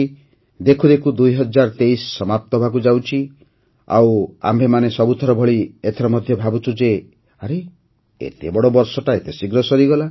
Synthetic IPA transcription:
d̪ekʰud̪ekʰud̪ujɦɔd͡ʒaɾt̪ejsːɔmap̚t̪ɔbʱak̬ud͡ʒawt͡ʃʰi | a̰wa̰mbʱemanesɔbut̪ʰɔɾɔbʱɔɭiet̪ʰɔɾɔmɔd̪ʱjɔbʱabut͡ʃʰud͡ʒe | aɾe | ḛt̪ebɔɽobɔɾsɔʈaet̪esiɡɾɔsɔɾiɡɔla

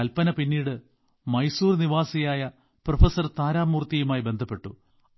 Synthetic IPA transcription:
ɐlpːɐnɐpinːiːɽɨ | mɐjsuːrniʋaːsɐjaːjɐ | profɐsɐrt̪aːɾaːmːuːrt̪ijumaːjbe̞nd̪ʱɐpːe̞ʈːṵ

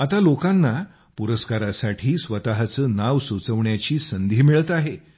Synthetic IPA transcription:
at̪alokãnːa | puɾəskaɾasaʈʰiːsʋət̪aɦt͡səːnaʋsut͡səʋɳjat͡ɕiːsənd̪ʱiːmiɭət̪aɦe

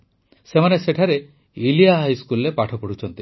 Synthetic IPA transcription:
semaneseʈʰaɾe | ilijaɦajskulːepaʈʰɔpɔɽ̤ut͡ʃʰɔnt̪i

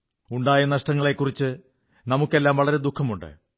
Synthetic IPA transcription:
uɳɖaːjɐnɐʂʈɐŋːɐɭe̞kːurit͡ɕːɨ | nɐmukːe̞lːaːmʋɐɭɐɾe̞d̪ukʰːɐmuɳɖɨ̰

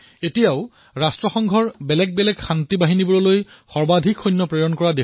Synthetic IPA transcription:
etijaʊ | ɹastɹɔxɔŋɡʱɔɹbɛlɛɡ̚bɛlɛɡxantibaɦinibɔɹɔloj | xɔɹbadʱikʰxɔjnːɔpɹejɔnkɔɹade

